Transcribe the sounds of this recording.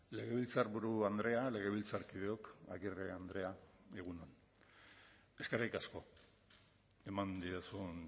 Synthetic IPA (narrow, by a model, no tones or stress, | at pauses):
le̞ɣe̞β̞ilt͡saɾβuɾuand̪ɾe̞ale̞ɣe̞βilt͡saɾkiðeo̞ka̰ɣireand̪ɾe̞aeɣ̞unon | e̞skeɾajkasko̞ | e̞mand̪iasun